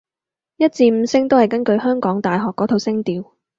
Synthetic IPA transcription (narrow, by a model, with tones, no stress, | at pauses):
jɐ˥t̚t͡siː˧m̩˨˧sɪ˥ŋt̪o˥whɐ˨jkɐ˥nkɵ˧ɥɦœː˥ŋkɔː˨˥ŋt̪aː˨jɦɔː˨kːɔː˨˥t̪ʰo˨˧wsɪ˥ŋt̪iː˧w